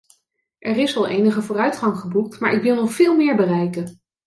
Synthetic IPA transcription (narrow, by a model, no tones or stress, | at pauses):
ʔɛrɪsɑlˠejnəχəvʊːrœɥtχɑŋχəbuk̚tmaːɹʔɪkʋɪlˠnɔχfɪːlˠmɪːɹbərɛjkən